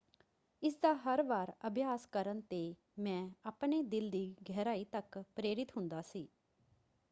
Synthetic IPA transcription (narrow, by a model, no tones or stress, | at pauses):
ɪsd̪aːɦəɾʋaːɾəbjaːskəɾənt̪eː | mɛ̃ːaːpɳeːd̪ɪld̪iːɡʱɛːɾaːiːt̪əkpɾeːɾɪt̪ɦʊ̃nd̪aːsiː